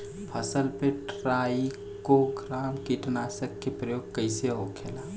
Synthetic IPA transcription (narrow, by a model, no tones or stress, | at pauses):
pʰəsəlpeʈɾaːi | koɡɾaːmkiʈnaːsəkːepɾəjoːɡ̚kəɪseɦokʰeːlaː